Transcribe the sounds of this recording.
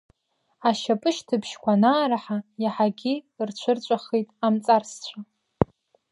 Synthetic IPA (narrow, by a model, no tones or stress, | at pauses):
aʃapʼɨʃtʰɨbʰʃkʷanaːɾaħajaħaɡʲirt͡ɕʷʰɨrt͡ɕʷʼaχijtʼamt͡sʼarst͡ɕʷʰa